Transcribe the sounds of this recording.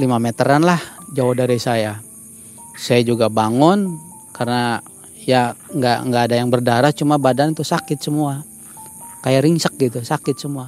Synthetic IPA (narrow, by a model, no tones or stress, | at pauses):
limamɛt̪əɾanlahd͡ʒaɔhdaɾisaja | sajad͡ʒuɡabaŋɔnkarna | ijaŋɡaʔŋɡaːdajaŋbərdaɾaht͡ʃumabadant̪usakɪt̪̚səmua | kajaɾiŋsək̚ɡit̪usakɪt̪̚səmua